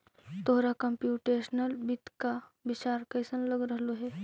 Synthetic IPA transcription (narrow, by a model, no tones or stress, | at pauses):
t̪oɦɾakəmpjuʈeɕnəlbit̪kabit͡ɕaɾkəjsənləɡɾəɦloɦe